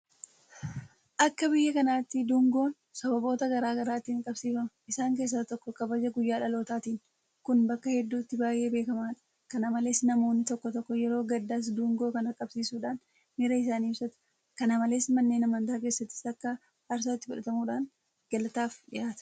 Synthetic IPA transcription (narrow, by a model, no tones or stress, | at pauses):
ʔɐkːɐbɪjːɐkɐnaːt̪ːɪd̪uːŋɡo̞ːn | sɐbɐbo̞ːt̪ɐɡɐɾaːɡɐɾaːt̪ːiːŋkʼɐbsiːfɐmɐʔɪsaːŋk̬e̞ːs̬ːaːt̪ɔkːɔkɐbɐd͡ʒɐɡʊjːaːᶑɐlo̞ːt̪aːt̪iːn | kʊnbɐkːɐhɛd̪ːuːt̪ːɪbaːjʔːe̞ːbe̞ːkɐmaːᶑɐ̥ | kɐnamɐleːsnɐmo̞ːnːɪt̪ɔkːɔt̪ɔkːɔjɛɾo̞ːɡɐd̪ːaːs̬d̪uːŋɡo̞ːkɐnɐkʼɐbsiːsuːᶑaːn | mɛɾɐɪs̬aːniːbsɐt̪ɐ̥ | kɐnaːmɐleːsmɐnːe̞ːnɐmɐnt̪aːk̬e̞ːsːɐt̪ːɪ̥sɐkːɐː | ɾs̬oːɪt̪ːɪfʊᶑɐt̪ɐmuːᶑaːn | ɡ̥ɐlɐt̪aːfᶑɪʔaːt̪ɐ̥